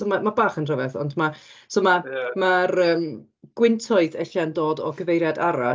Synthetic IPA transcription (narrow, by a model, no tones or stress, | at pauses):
omamabaːχənrəvɛθɔ̰ndmasoːmamaɾəːm | ɡ̥wɪntʰɔɨðɛɬandoːdɔɡəvejɾjadaɾa